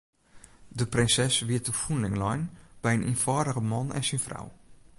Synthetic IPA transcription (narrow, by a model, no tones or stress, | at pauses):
dəprɪnsɛsʋiət̚əfunlɪŋlɔjnb̥ɛjənʔḭnfɔːdəɣəmɔnɛ̰nsinfra̰w